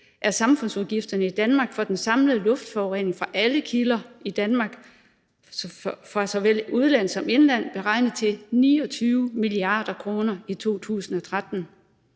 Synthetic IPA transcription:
ʔæɐsɑ̈mfɔ̽nsuðˠɡ̥ifd̥ɐnəid̥ænmɑ̈ːɡ̥fɒ̽d̥ensɑ̈mləð̩ˠlɔ̽fd̥fɒʊʁḛne̝ŋfʁɑ̈ʔæləkʰilɐid̥ænmɑ̈ɡ̥ | fɒsɒ̽ʋel̰uðˠlæn̰ˠsɒ̽me̝nlæn̰b̥e̝ʁɑ̈ɪnð̩ˠt͡sʰe̝niːɒ̽t͡sʰyːʊmiliɑ̰̈ːd̥ɐkʰʁo̝ːnɐit͡sʰo̝̰ːt͡sʰṵːsn̩ɒ̽t͡sʰʁad̥n̩

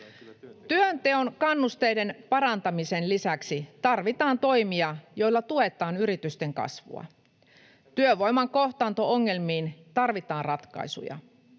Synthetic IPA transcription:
t̪yønt̪e̞o̞nkɑnːust̪ejde̞npɑɾɑnt̪ɑmise̞nlisæksit̪ɑrʋit̪ɑːnt̪o̞jmiɑjo̞jlːɑt̪ue̞t̪ɑːnyɾit̪yst̪e̞ŋkɑ̰sʋṵɑ̰ | t̪yøʋo̞jmɑŋko̞ht̪ɑːnt̪ooŋːe̞lmiːnt̪ɑrʋit̪ɑːnrɑt̪kɑ̰isṵjɑ̰

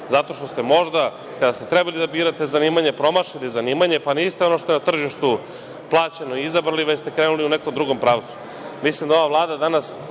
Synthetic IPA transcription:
zat̪o̞ʃt̪o̞st̪e̞mo̞ʒd̪a | kad̪ast̪e̞t̪ɾɛbalid̪abiːɾat̪ezaniːmaɲepɾo̞maʃit̪izaniːmaɲe̞paniːst̪eo̞noʃt̪oenat̪r̩ʒiʃt̪u | plˠaːt͡ɕenoiizabɾliʋest̪ekɾeːnuliuneko̞md̪ɾuɡo̞mpɾaːʋt̪su̥ | mislimd̪ao̞ʋavlˠaːd̪ad̪anas

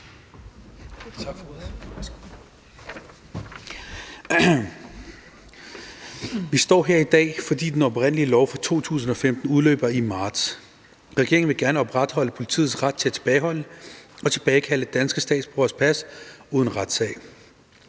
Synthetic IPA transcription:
ʋisd̥ɒ̰ːɦeɐ̰id̥ɛ̰ːfɒ̽d̥ḭːd̥enɒ̽b̥ʁen̰əliəlɒʊfʁɑ̈t͡sʰo̝̰ːt͡sʰṵːs̬n̩ɒ̽femd̥n̩uð̞ˠlø̰ːb̥ɐimɑ̈ːd̥s | ʁɛɡ̥e̝ɐeŋnʋe̝ɡ̥æɐnəɒ̽b̥ʁad̥hɒ̽l̰əpʰo̝li̥t͡sʰḭːð̩ˠsʁäd̥̚t͡sʰe̝æt͡sʰe̝̥b̥ɛːɪɦɒ̽l̰əɒ̽t͡sʰe̝b̥ɛːɪkʰæləd̥ænsɡ̥əsd̥ɛ̰ːd̥sb̥ʁoɐspʰæsuːðˠən̩ʁad̥sɛ̰ɪ

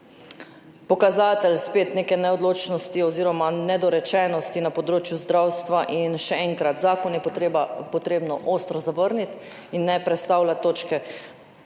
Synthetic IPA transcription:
pɔkazaːt̪ɛlspeːt̪neːkɛnɛɔd̪loːt͡ʃnɔst̪iɔziːɾɔmanɛd̪ɔɾɛt͡ʃɛːnɔst̪inapɔd̪ɾoːt͡ʃjuzd̪ɾawst̪ʋaʔinʃɛɛŋkɾat̪zaːkɔnjɛpɔt̪ɾeːbnɔʔoːst̪ɾɔzaʋəɾnit̪ | inːɛpɾɛt̪st̪awlʲat̪oːt͡ʃkɛ

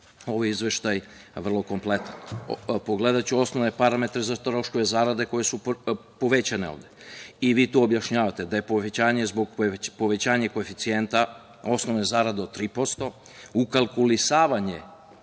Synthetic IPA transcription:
o̞ʋojizʋe̞ʃt̪aj | ʋr̩lˠo̞ko̞mple̞t̪anpo̞ɡle̞d̪at͡ɕuo̞snoʋne̞paɾame̞t̪ɾezat̪ɾo̞ʃkoʋezaːɾad̪e̞ko̞je̞supo̞ʋet͡ɕaneo̰ʋd̪eiʋiːt̪uːobjaʃɲaːʋat̪e̞d̪ajepoet͡ɕaːɲe̞zboɡpo̞ʋe̞t͡ɕaːɲekoefit̪sije̞nt̪a | o̞sno̞ʋne̞zaːɾad̪eo̞t̪t̪ːɾiːpo̞st̪o̞ | ukalˠkulisaːʋaɲe

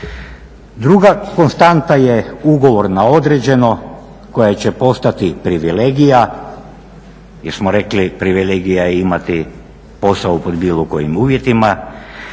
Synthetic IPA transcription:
d̪ɾuɡako̞nst̪ant̪ajeuɡo̞ʋo̞ɾnao̞d̪ɾed͡ʑe̞no̞ | ko̞jat͡ɕepo̞st̪at̪ipɾiʋileːɡija | jeɾsmoɾe̞klipɾiʋileɡijajeimat̪i | po̞saupo̞d̪biːlˠoko̞jimuːʋje̞t̪ima

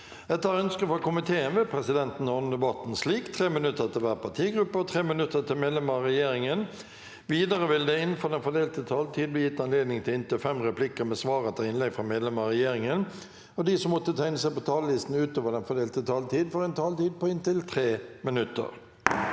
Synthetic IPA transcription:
ɛt̪ːəɑɾœnskəfɔkʊmɪt̪ʰeːənʋɛpʰɾɛsɪd̪ɛnt̪n̩ːɔn̩d̪əbɑt̪n̩sliːkt̪ʰʁeːmɪnʉt̪ːət̪ɪlʋæːʁəpɑt̪ʰiːɡɾʉpːəɔt̪ʰʁeːmɪnʉt̪ːət̪ʰɪlmeːd̪lɛməʁɛjeːɾɪŋən | ʋiːd̪əɾəʋɪld̪ɛɪnfɔd̪ɛnfɔd̪eːlt̪ət̪ʰɑːlt̪ʰiːd̪̚b̪lɪjɪt̪ːɑnleːd̪nɪŋt̪ʰɪlɪnt̪ɪlfɛmʁɛplɪkəɾmɛsʋɑːʁət̪ʰɑɪnlɛɡfʁɑmeːd̪lɛməʁɛjeːɾɪŋən | ɔd̪isɔmːɔt̪ːət̪ʰæɪnəsæɪpɔt̪ʰɑːləlɪst̪n̩ʉːt̪oːʋəd̪ɛnfɔd̪eːlt̪ət̪ʰɑːlt̪ʰiːd̪fɔɾɛnt̪ʰɑːlt̪iːd̪̚pɔɪnt̪ɪlt̪ʰɾeːmɪnʉt̪ːə̰ɾ

